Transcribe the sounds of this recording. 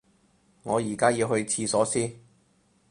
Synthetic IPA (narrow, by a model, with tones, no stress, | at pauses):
ŋɔː˨˧jiː˨˩kaː˥jiː˧whɵ˧ɥt͡sʰiː˧sɔː˨˥siː˥